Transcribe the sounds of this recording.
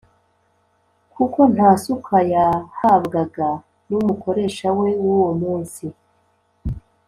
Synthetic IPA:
kʰuko̞n̥hasukʰajahaβɡaɡa | numuko̞ɾe̞ːʃawe̞wuwomuːnsi

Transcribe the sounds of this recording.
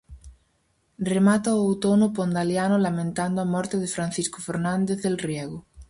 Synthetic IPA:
remat̪aoowt̪onopond̪aljanolamẽnt̪and̪oamɔɾt̪eðefɾanθisko̥feɾnãnd̪eθelrjeɣo

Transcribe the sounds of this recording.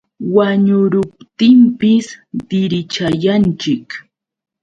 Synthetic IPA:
waɲʊɾʊp̚t̪ɪmpɪsd̪ɪɾɪt͡ʃajant͡ʃɪk

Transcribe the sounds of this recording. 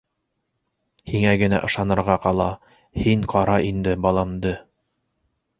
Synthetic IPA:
hiŋæɡɘ̆næ̰ʔɤ̆ʃɑnɤ̆ɾʁɑqɑlˠɑ | hiɴqɑɾɑind̪ɘbɑlˠɑmd̪ɤ

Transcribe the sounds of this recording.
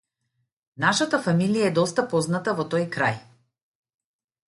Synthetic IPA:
naʃat̪afamilijaɛd̪ɔst̪apɔznat̪avɔt̪ɔjkɾa̰j

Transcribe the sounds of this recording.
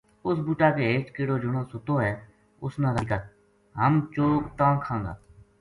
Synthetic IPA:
ʊs̬buːʈaːkeːeːt͡ʃkeːɽoːd͡ʒʊɽoːsʊt̪oːɦɛː | ʊsnãːd̪əka | ɦəmt͡ʃoːkt̪ãːkʰãːŋɡa̰ː

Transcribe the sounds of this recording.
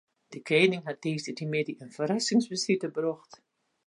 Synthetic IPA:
d̥əkeːnɪŋɦat̚deːzədimɪdiənfərasɪŋsbəsitəbrɔxt

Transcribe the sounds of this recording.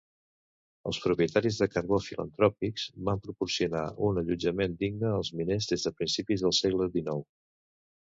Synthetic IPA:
ə̰lˠspɾupiət̪aɾizðəkəɾɣofilə̰nt̪ɾɔpikz̥bampɾupursiuna̰ʔunəʎud͡ʒəmend̪iɡ̚nəːlˠzminezðezðəpɾinsipizðəlˠsɛɣləðinɔw

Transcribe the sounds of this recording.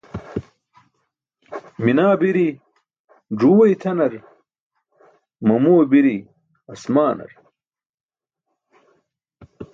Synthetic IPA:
minaːbiɾi | ɖ͡ʐuːwɐjt̪ʰɐnɐɾ | mɐmoːbiɾi | ɐsmaːnɐ̰ɾ

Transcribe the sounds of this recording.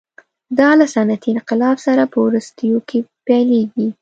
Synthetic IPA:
d̪ɑlasanat̪iɪnqɪlɑbsaɾapəwɾust̪əjokʰepaleɡi

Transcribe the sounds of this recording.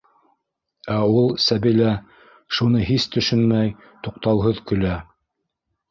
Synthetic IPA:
æulˠsæβilæ | ʃunɤɦist̪ɵ̆ʃɵnmæj | t̪uq̚t̪ɑwˠɦɤðkɵ̆læ

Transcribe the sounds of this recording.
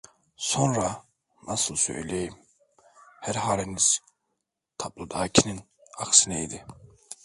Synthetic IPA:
so̞nɾa | nɑsɯlˠsø̞̰jlʲejim | hæɾɦaːɾeniz̥ | t̪ʰablˠud̪aːcʰinin | ɑksineid̪i

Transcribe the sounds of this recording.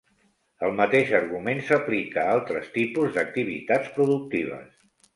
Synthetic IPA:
əlˠmət̪eʃəɾɣumensəplikəalˠt̪ɾəst̪ipuzðək̚t̪iβ̞ḭt̪at͡sspɾuðuk̚t̪iβ̞ə̰s

